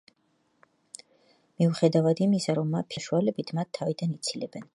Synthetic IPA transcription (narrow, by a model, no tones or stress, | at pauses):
miuχɛd̪avad̪imisaɾɔmːapʰaʃualɛbit̪ʰmat̪ʰːavid̪anit̪sʰilɛbɛn